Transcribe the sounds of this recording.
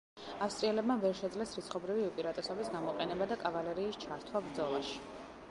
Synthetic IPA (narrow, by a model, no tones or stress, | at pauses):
afst̪ʼɾiɛlɛbmavɛɾʃɛd̪zlɛsɾit̪sʰχɔbɾiviupʼiɾat̪ʼɛsɔbisɡamɔqʼɛnɛbad̪akʼavalɛɾiːst͡ʃʰaɾt̪ʰwabɾd̪zɔlˠaʃi̥